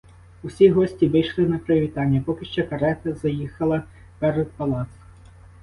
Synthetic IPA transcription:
usʲiɦɔsʲtʲiʋɪjʃlˠɪnɐpɾeʋʲit̪ɑnʲːɐpɔkɪʃt͡ʃɔkɐɾɛt̪ɐzɐjixɐlˠɐ | pɛɾɛd̪̚pɐlˠɑt̪s

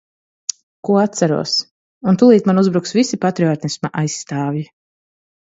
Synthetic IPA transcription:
kuɔat̪t̪saɾṵɔs | unt̪ulˠiːt̪manuzbɾuksvisipat̪ɾiɔːt̪nismaʔajsːt̪aːvji

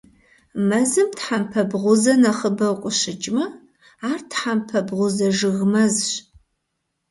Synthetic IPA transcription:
mɐzɨmtħampʰɐbʁʷʊzɐnɐχəbɐwqʷʼʊɕɪt͡ʃʼmɐ | aːrtʰħampʰɐbʁʷʊzɐʒɨɣmɐzɕ

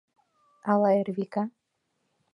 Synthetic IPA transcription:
alaeɾvika

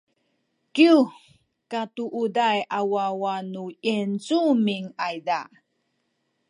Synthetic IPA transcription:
kiu | katuʔudajawawanuent͡sumiŋajda

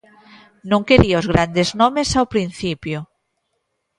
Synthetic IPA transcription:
nõŋkeɾiaozɣɾand̪eznomesawpɾin̟θipjo

